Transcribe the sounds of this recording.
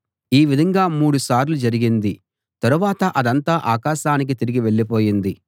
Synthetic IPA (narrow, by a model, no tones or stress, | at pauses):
iːʋid̪ʱɐŋɡaːmuːɽusaːɾlud͡ʒɐɾiɡind̪i | t̪ɐɾuʋaːt̪ɐʔɐd̪ɐnt̪aːʔaːkaːʃaːnik̬it̪iɾiɡiʋe̞ɭːipo̞ːjind̪i